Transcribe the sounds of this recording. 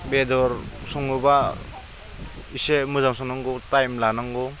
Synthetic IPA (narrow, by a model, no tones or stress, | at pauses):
bedɔɾsɔŋɯba | isemɯzamsɔŋnaŋɡɔtajmlanaŋɡɔ